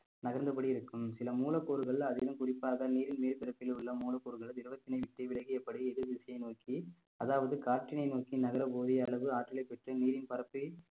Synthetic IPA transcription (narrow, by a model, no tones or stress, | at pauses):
nɐɣɐɾnd̪ɐp̬ɐɽiɪɾɯkːɯmsɪlɐmuːlɐkːoːɾɯɣɐɭɐðɪlɯmkʊrɪpːaːɣɐniːɾɪnmeːlt̪ɪɾɐpːɪlʊɭːɐmuːlɐkːoːɾɯɣɐɭd̪ɪɾɯʋɐt̪ːɪnɐɪʋɪʈːɐʋɪɭɐɣiɛpːɐɽiɛðɯʋɪsɐjɐɪnoːki | ɐðaːʋɐðɯkaːɾʈːɪnɐɪnoːkinɐɣɐɾɐpoːðiɐlːɐʋɯaːʈːɪlɐɪpɛʈrɯniːɾɪnpɐɾɐpːi